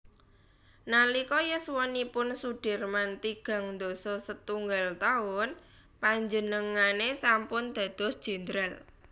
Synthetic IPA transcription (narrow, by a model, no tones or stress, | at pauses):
nalikɔjəswɔnipʊnsuɖ̥ɪ̤rmant̪iɡ̥ä̤ŋnd̪osɔsət̪uŋɡalt̪aʊn | paɲd͡ʒənəŋanesampʊnd̪̥ä̤d̪̥ɔ̤sd̥ʒ̥ə̤nd̪ɾal